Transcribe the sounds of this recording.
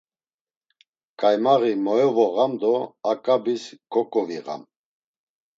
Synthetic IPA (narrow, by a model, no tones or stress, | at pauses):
kʼajmaɣimɔjɔvɔɣamd̪ɔakʼabiskʰʼɔkʼɔviʁa̰m